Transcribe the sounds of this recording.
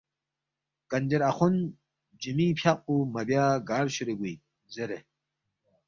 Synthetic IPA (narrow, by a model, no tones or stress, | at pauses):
kɐnd͡ʑeɾɐxun | d͡ʑimipʰjaq̚umɐbjaːɡaːɾɕuɾeɡui | zeɾe